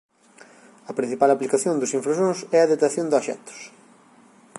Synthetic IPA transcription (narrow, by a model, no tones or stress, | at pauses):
ɐpɾĩn̟θipalɐplikaθjond̪ʊsĩɱfɾaʃõŋsɛɐðet̪aθjõnd̪aʃɛ̰t̪ʊ̥s